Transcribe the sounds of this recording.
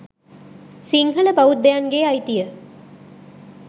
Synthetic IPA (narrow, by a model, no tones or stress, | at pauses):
siŋɦələbaʋut̪̚d̪ejaŋɡeajt̪ijə